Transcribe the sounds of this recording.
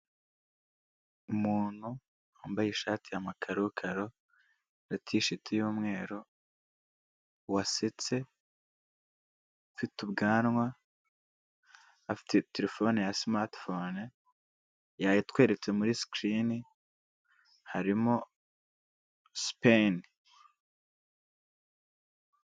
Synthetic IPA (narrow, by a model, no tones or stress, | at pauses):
umuːn̥hu | aːmbajeʃaːtijamakʰaɾukʰaɾo̞ | ɾatʰiʃitʰijuːmŋe̞ːɾo | waset͡se̞ | fitubɡaːnŋwa | fi̥teteɾe̞fo̞nejasmaɾtfon | jajitwe̞ːɾe̞t͡se̞muɾiskɾini | haɾimo̞ | spen